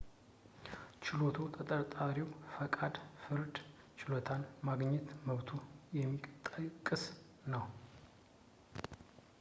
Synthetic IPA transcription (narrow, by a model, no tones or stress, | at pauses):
t͡ʃɪlot̪ʰut̪ʼət̪ʼəɾt̪ʼaɾiwfəkʼad̪fɨɾd̪ | t͡ʃʰɪlot̪ʰanmaɡɲːɛt̪məβt̪ʰujɛmːikʼt̪ʼakʼːɨs | nəw